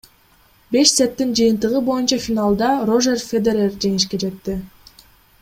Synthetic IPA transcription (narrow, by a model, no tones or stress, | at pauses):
be̞ʃset̪ːind͡ʒɯjɯnt̪ɯʁɯbo̞junt͡ʃɑfʲinalˠd̪ɑro̞ʒerfʲed̪eɾerd͡ʒe̞ŋiʃke̞d͡ʒe̞t̪ːi